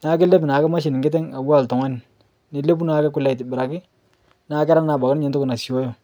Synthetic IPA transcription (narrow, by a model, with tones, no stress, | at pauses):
na˨˦ke˦le˦bna˨kɪ˦ma˦ʃ̬ɪ˨nɪ˨ŋɡɪ˦t̬ɛ˦ŋa˨wa˦˨ltɔ˨ŋa˦n˨ | ni˨le˦p̬u˦na˦kɛ˦kʊ˦la˨i˨tɪ˨bɪ˨ɾa˨kɪ˦ | na˦kɛ˦ɾa˦ŋna˨ba˨kɲe˦ntʊ˦ku˦na˨si˨wo˦jo˨